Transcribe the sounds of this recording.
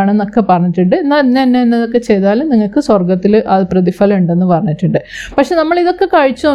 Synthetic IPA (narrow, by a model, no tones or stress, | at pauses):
aːɳe̞nːo̞kːe̞pɐrɐɲːitʈːuɳɖɨenːanːeinːeenːeðokːe̞t͡ɕe̞jt̪aːlumniŋːɐɭkɨswɐrɡɐt̪ːilʔɐðɨprɐðifɐːluɳɖe̞nːɨpɐrɐɲːitːuɳɖɨpɐkʂe̞nɐmːɐɭiðo̞kːe̞kɐɻit͡ɕːuno